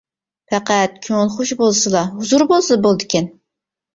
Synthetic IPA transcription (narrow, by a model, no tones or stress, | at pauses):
pæqæt̪̚kʲʰøŋlˠχoʃbolˠsɨlˠɑɦuzuɾbolˠsbolˠd̪ɪkʲʰɛn